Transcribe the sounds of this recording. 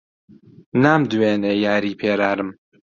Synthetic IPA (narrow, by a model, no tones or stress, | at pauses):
naːmd̪weːnejaːɾiːpʰeːɾaːɾɨm